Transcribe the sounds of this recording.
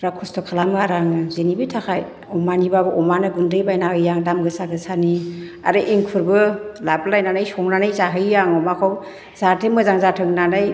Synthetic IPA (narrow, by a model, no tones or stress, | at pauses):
ɾakʰustɔkʰalamaɾaŋɯzenibɯtʰakʰaj | ɔmanibabɯʔɔmanɯɡundɯjbajnahɯjjaŋdamɡɯsaɡɯsani | a̰ɾɯʔiŋkʰuɾbɯlablajnanajsɔŋnanajzaɦɯjjaŋɔmakʰaw | z̥atʰemɯzaŋzatʰɯŋnanaj